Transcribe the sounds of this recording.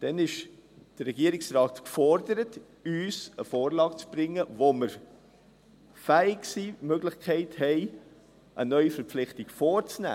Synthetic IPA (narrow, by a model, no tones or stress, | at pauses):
d̥ɛnɪʃd̥ərːɛɡiəɾɪksrɑːtkfɔɾdəɾət | yːsəfoːɾlɑːɡt͡sb̥ɾɪŋːəvoməɾ | fæːɪksiːmøɡlɪχkʰɛɪthɛɪ | ʔənœʏifəɾpp͡flɪχtɪɡfoːɾt͡snæ̰ː